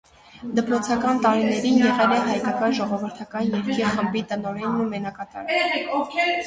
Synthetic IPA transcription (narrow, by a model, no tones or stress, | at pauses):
d̪əpɾɔt͡sʰɑkɑnt̪ɑɾinɛɾinjɛʁɛlɛɦɑjkɑkɑʒɔʁɔvəɾt̪ʰɑkɑnjɛɾkʰiχəmbit̪ənɔɾɛnːumɛnɑkɑt̪ɑ̰ɾ